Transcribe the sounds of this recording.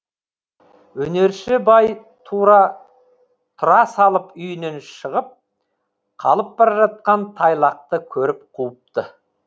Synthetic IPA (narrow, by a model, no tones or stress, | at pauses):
wɵne̞ɾʃɪbɑj | t̪ʰuɾɑ | t̪ʰʊɾɑsɑlˠəpʏjne̞nʃəʁəp̚ | qʰɑ̰lˠəpbɑɾʒɑt̪̚qɑnt̪ʰɑjlˠɑq̚t̪əkʲʰɵɾɪp̚qʰuːəp̚t̪ə